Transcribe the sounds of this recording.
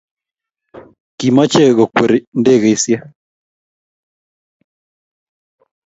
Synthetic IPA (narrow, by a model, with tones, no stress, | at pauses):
ki˨ma˦t͡ʃe˦ɣo˨kwe˨ɾi˨nde˦˨ɣe˨i˦sja˦